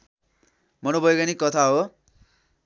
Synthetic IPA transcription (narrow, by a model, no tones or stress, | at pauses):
mʌnobʱʌjekanikʌt̪ʰaɦo